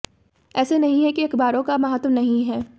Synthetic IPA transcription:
ɛːsenɐɦĩɦɛkiɐkbaːɾõkamɐɦat̪mnɐɦĩɦɛː

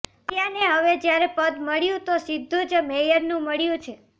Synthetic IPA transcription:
t̪janeɦəʋed͡ʒjaɾepəd̪məɭjũt̪osɪd̪ʱːũd͡ʒmejəɾnũməɭjũt͡ʃʰe

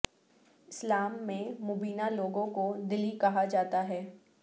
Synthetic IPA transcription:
ɪslaːmːẽmʊbiːnaloːɡõkod̪ɪlikɐɦad͡ʒaːt̪aɦɛː

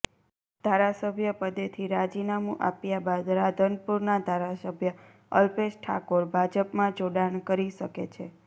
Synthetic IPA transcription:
d̪ʱaɾasəbʱjəpəd̪et̪ʰiɾad͡ʒinamṵ̃ʔa̰pjabad̪ɾad̪ʱənpuɾnad̪ʱaɾasəbʱjə | əlpeʃʈʰa̰koɾbʱad͡ʒəpmãd͡ʒoɽaɳkəɾiʃəket͡ʃʰe

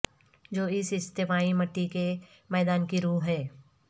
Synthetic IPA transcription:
d͡ʒoːɪsɪst̪ɪmaːimɐʈːike | mɛːd̪aːnkiɾuːɦɛː

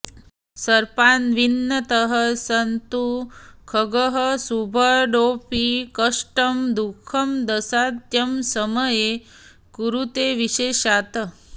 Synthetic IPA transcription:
sɐɾpanʋinːət̪əɦəsənt̪ukʰəɡəɦəsubʱəɖopikəʂʈəmd̪ukʰəmd̪ɐsad̪jəmsəməje | kuɾut̪eʋiɕeːɕat̪ə

